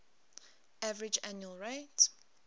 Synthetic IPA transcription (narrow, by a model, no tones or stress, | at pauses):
ʔævəɹɪd͡ʒæ̃njuəlɹet